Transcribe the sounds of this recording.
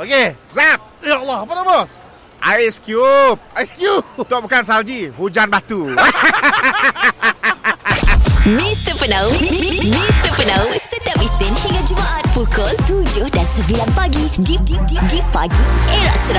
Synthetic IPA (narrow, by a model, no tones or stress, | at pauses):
okezap̚jalːahpənabɔs | ʔajskjup̚ajskjup̚t̪ɔʔbukans̬ald͡ʒihud͡ʒanbat̪u | mist̪əpənamist̪əpənawsət̪əpist̪ɪnhiŋad͡ʒumaʔat̪̚pukɔlt̪ud͡ʒʊhdansəbilanpaɡididididipaɡieɹaʔsəɾ